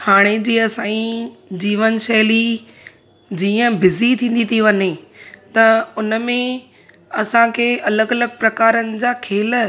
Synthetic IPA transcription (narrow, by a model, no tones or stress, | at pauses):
haːɽ̃ed͡ʑiːɐsãːĩd͡ʑiːʋənʃɐɦli | d͡ʑiːə̃bɪzit̪ʰĩːn̆d̪it̪iʋɐɲet̪ɐʊnə̆mẽ | ɐsãkʰeːɐləɡɐləɡ̚pɾɐkaːɾənɪ̆d͡ʑaːkʰeːl